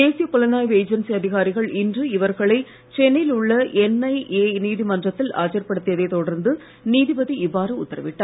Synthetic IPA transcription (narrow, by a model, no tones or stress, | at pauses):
d̪eːsɪjɐpʊlɐnaːjʋeːd͡ʒɐnsiɐðɪɣaːɾɪɣɐɭɪndrɯɪʋɐɾɣɐɭɐɪ | t͡ʃɛnːɪlʊɭːɐʔɛnːɐɪʔeːniːðimɐndrɐt̪ːɪla̰ːt͡ʃɐɾpɐɽɯt̪ːɪjɐðeːt̪ɔɽɐɾnd̪ɯ | niːðɪbɐðiɪʋːaːɾɯʊ̰t̪ːɐɾɐʋɪʈːɐː